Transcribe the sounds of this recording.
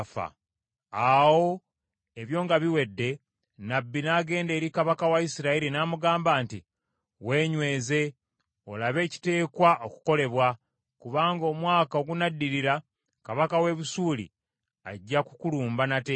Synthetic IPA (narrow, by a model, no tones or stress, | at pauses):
fa̰ | awo̞ | e̞βjo̞ːŋɡaβiwe̞dːe̞ | nabːinaːɡe̞ːnde̞ːɾikaβakawaisiɾaiɾinaːmuɡaːmbaːnti | we̞ːɲwe̞ːze̞ | o̞̰laβe̞ːci̥te̞ːkwaʔo̞ku̥ko̞le̞βwa | kuβaːŋɡo̞mwaːkao̞ɡunadːiɾiɾa | kaβakawe̞βusuːlḭ | a̰ɟːakukuluːmbanate